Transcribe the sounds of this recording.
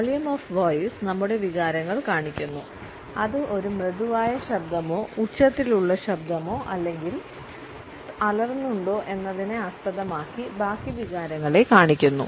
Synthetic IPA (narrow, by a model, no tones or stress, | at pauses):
ʋɐɭjɐmoːfʋoːjsnɐmːuɽe̞ʋiɣaːɾɐŋːɐɭkaːɳikʲːunːu | ɐðɨʔo̞ɾumreðuʋaːjɐɕɐb̚d̪ɐmo̞ːut͡ɕːɐt̪ːiluɭːɐɕɐbd̪ʱɐmo̞ːʔɐlːe̞ŋɡil | ɐlɐrnːuɳɖo̞ːʔe̞nːɐðineɐspɐðɐmaːkːibaːkːiʋiɣaːɾɐŋːɐɭe̞kaːɳikʲːunːṵ